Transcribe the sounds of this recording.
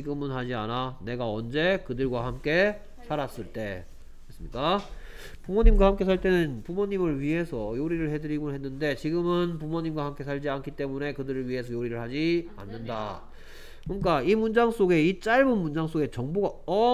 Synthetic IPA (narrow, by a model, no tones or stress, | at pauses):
t͡ɕiɡɯmɯnhad͡ʑia̰nane̞ɡaʌnd͡ʑe̞kɯdɯɭɡwahamk͈e̞ | sʰaɾas͈ɯɭt͈e̞ | es͈ɯmɲik͈a | pumoɲimɡwahamk͈e̞sʰaɭt͈e̞nɯnpumoɲːimɯɭɥiɦe̞sʰʌjoɾiɾɯɭhe̞dɯɾimonɦe̞nːɯnde̞t͡ɕiɡɯmɯnpumoɲimɡwahamk͈e̞sʰaʎd͡ʑiankʰit͈e̞mune̞kɯdɯɾɯɭɥiɦe̞sʰʌjoɾiɾɯɭhad͡ʑia̰nːɯnda̰ | kuk͈aimund͡ʑaŋs͈oɡe̞it͡ɕ͈aɭbɯnmund͡ʑaŋs͈oɡe̞t͡ɕʌŋboɡaʌ